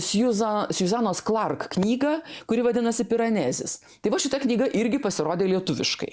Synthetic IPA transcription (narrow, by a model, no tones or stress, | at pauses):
sjuzɐsjuzɑːnoːsklˠɐrkknʲiːɡɐkʊɾʲɪʋɐd̪ʲɪnɐsʲɪpʲɪɾɐnʲæzʲɪ̰s | t̪ɐɪʋɐʃʲɪt̪ɐknʲiːɡɐʔɪɾʲɡʲɪpɐsʲɪɾoːd̪ʲeːlʲiɛt̪ʊʋʲɪʃkɐ̰ɪ